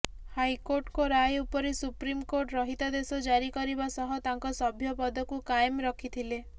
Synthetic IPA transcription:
hajkoɾʈkoɾajupɔɾesupɾimkoɾʈɾɔɦit̪ad̪esɔd͡ʒaɾikɔɾibasɔɦɔt̪aŋkɔsɔbʱjɔpɔd̪ʱɔkukaemɾɔkʰit̪ʰile

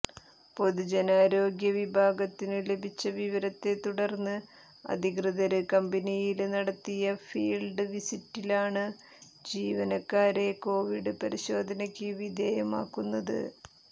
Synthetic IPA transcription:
po̞d̪ud͡ʑenaːɾo̞ːɡjɐʋibʱaːɡɐt̪ːinɨle̞bʱit͡ɕːɐʋiʋɐɾɐt̪ːe̞t̪uɽɐrnːɨ | ɐ̰d̪ʱikrɨðɐɾɨkɐmbɐnijilnɐɽɐt̪ːijɐfiːlɖɨʋisitːilaːɳɨ | d͡ʑiːʋɐnɐkːaːɾe̞ko̞ːʋiɽɨpɐɾiɕo̞ːd̪ʱɐnɐkʲːɨʋid̪ʱeːjɐma̰ːkːunːɐðɨ̰

